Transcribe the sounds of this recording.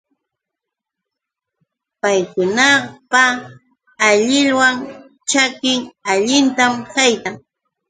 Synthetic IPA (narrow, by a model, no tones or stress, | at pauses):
pajkʊnɑpaː | ʎɪʎwaŋ | t͡ʃakɪŋaʎɪnt̪amkajt̪aŋ